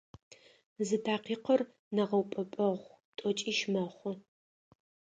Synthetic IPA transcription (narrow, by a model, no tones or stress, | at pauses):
zɨtʰaːqiːqɐr | nɐʁɐwpʼɐpʼɐʁʷ | tʼɔt͡ʃʼiːʃmɐχʷʊ